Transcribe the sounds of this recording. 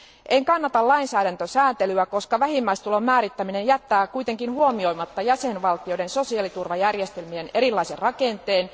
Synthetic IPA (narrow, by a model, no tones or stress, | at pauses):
ʔeŋkɑnːɑt̪ɑlɑinsæːɾænt̪øsæːnt̪elyæko̞skɑʋæhimːæist̪ulo̞mæːɾit̪ːæmine̞njæt̪ːæːkuit̪eŋkinhuomio̞imɑt̪ːɑjæsenʋɑlt̪io̞denso̞siɑːˑlit̪urʋɑjærjest̪e̞lmiene̞ɾilːɑiserrɑkent̪eːn